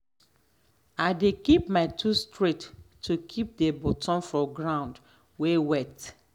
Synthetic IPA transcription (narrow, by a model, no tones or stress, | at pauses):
aɪdekipmaɪtʰustɹetːʰ | ukʰip̚debotɔ̃nfɔ̃ɡɹãʊ̃nd | wewɛt